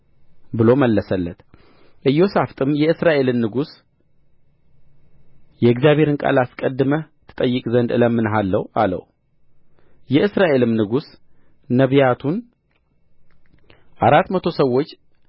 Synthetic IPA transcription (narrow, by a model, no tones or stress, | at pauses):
bɨlo̞məlːəsəlːət̪ | ʔɨjːo̞saft̪ʼɨmjɛɨsɾaʔe̞lɨnːɨɡus | jɛɨɡzjaβʱhe̞ɾɨnkʼa̰laskʼəd̪ːɨmət̪ʰɨ̥t̪ʼəjːɨkʼzənd̪ɨləmːɨnɦalːəwalə̰w | jɛɨsɾaʔe̞lɨmnɨɡus | nəβjat̪ʰun | ʔaɾat̪mət̪ʰo̞səwːo̞t͡ʃː